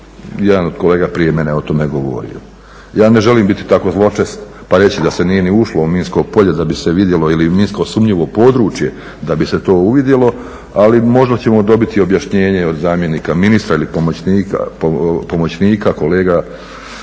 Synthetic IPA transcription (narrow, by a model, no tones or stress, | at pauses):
jɛd̪anod̪̥̚kole̞ːɡapɾije̞meneo̞t̪o̞meɡo̞ʋo̰ɾḭo̰ | jaːne̞ʒe̞liːmbit̪i̥t̪ako̞zlˠo̞t͡ʃesnpaɾe̞t͡ɕid̪ase̞nije̞niuʃlouminsko̞ɡpo̞ʎed̪abise̞ʋid̪je̞lo̞iliminskosumʎiʋo̞po̞ːd̪ɾuːt͡ʃje̞ | d̪abise̞t̪o̞ːuʋid̪je̞lˠo̞ | alimo̞ʒd̪at͡ɕe̞mo̞d̪o̞bit̪io̞bjaʃɲe̞ːɲe̞od̪zaːmje̞niːkaminist̪ɾailipomonika̰opo̞mot͡ɕniːkako̞le̞ːɡa